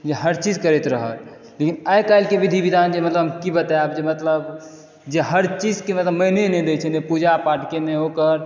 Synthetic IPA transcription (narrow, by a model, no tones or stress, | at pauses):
d͡ʒeɦəɾt͡ʃid͡ʒkəɾɛt̪ɾəɦə̰l | lekinajkajlkebid̪ʱibid̪ʱand͡ʒemət̪ləbkibət̪aabd͡ʒemət̪ləb | d͡ʒeɦəɾt͡ʃid͡ʒkemət̪ləbməɦnenɛd̪ejt͡ʃʰɛnepud͡ʒapaʈkeneokəɾ